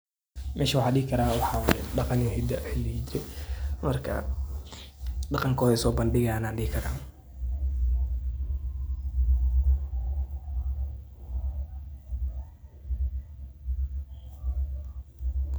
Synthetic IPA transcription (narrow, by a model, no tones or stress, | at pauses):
mʔɛːʃɐwʊħɑːɗɪɡɪkʰɐɾaːwɑħɑːwɑːjɛ̰ɖɑqɑnjɔɦɪd̪ɐħɪlɪd͡ʒɪɾɛmɐrkʰɐ̰ | ɖɑqɑŋkʰɔːðɛsɔːbɐnɖɪɣɐnaːnɖɪɡɪkʰɐɾa̰ː